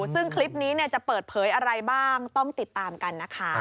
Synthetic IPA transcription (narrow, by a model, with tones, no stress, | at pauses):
sɯ˥˩ŋkʰli˦˥p̚niː˦˥ni˥˩ɐt͡ɕa˨˩pɤː˨˩t̪̚pʰɤː˩˦jʔa˧ɾa˧jbaː˥˩ŋtt̪ɔ˥˩ŋt̪i˨˩t̪ːaː˧mka˧nːa˦˥kʰa˦˥